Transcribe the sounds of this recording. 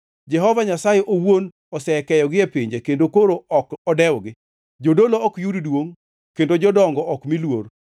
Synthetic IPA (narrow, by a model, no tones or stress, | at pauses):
d͡ʒɛɦɔvaɲasajɛʔowon | ɔsɛkɛjɔɡɪepɪɲd͡ʒekendokoɾoɔkɔdɛwɡɪ | d͡ʒodoloɔkjuddwoŋ | kendod͡ʒɔdɔŋɡɔʔɔkmilwor